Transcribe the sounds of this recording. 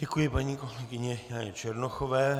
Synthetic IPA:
ɟɛkujɪpaɲiːkolɛɡɪɲɛjaːɲɛt͡ʃɛɾnoxoʋɛː

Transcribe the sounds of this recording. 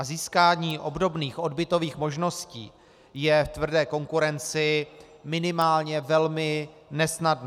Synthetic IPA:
aziːskaːɲiːʔo̞bdo̞bniːxʔo̞dbɪt̪o̞viːxmo̞ʒno̞scḭː | jɛft̪vr̩dɛːko̞ŋkuɾɛnt͡sɪ | mɪnɪmaːlɲɛvɛlmɪ | nɛsnadn

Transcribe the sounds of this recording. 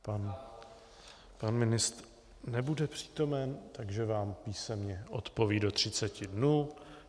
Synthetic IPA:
pan | panmɪnɪst̪ | nɛbudɛpr̝̥i̥ːt̪o̞mɛnt̪aɡʒɛvaːmpiːsɛmɲɛʔo̞t̪po̞viːdo̞t̪r̝̥ɪt͡sɛcɪdnuː

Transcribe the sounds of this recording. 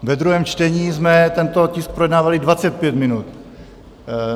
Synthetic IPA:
vɛd̪ɾuɦɛːmt͡ʃt̪ɛɲiːzmɛt̪ɛnt̪o̞cɪsk̚pɾojɛdnaːvalɪdvat͡sɛt̪̚pjɛt̪mɪnut̪

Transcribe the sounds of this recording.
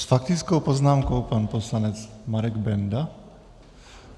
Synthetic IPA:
sfak̚t̪it͡skɔʊpɔznaːmkɔʊpanpɔslaɲɛt͡smaɾɛɡbɛnd̪a

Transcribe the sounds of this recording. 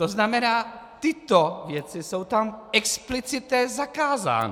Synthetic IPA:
t̪oznamɛnaːt̪ɪt̪ovjɛt͡sɪsowt̪amɛksplɪt͡sɪt̪ɲɛzakaːza̰ːnɛ̰

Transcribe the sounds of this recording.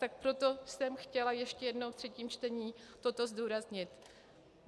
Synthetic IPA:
t̪ak̚pɾo̞t̪o̞sɛmxcɛlajɛʃcɛjɛdnowt̪r̥ɛciːmt͡ʃt̪ɛɲiːt̪o̞t̪o̞zduːɾazɲɪt̪

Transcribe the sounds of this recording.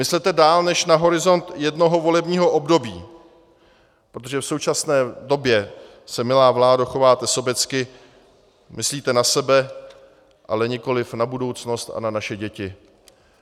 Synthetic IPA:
mɪslɛt̪ɛdaːlnɛʃnaɦo̞ɾɪzo̞nt̪jɛdno̞ɦo̞vo̞lɛbɲiːɦo̞ʔo̞bdo̞biː | pɾot̪oʒɛfsowt͡ʃasnɛːdo̞bjɛ | sɛmɪlaːvlaːdaxovaːt̪ɛso̞bjɛt͡skɪ | mʔɪsliːt̪ɛnasɛbɛ | ʔa̰lɛɲɪko̞lɪfnabudo̞wt͡sno̞st̪a̰nanaʃɛɟɛcɪ

